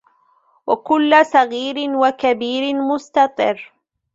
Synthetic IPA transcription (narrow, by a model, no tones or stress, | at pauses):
wakʊlːsˤɑɣiːɾɪnwakabiːɾɪmʊst̪ɑt̪ˤɨrː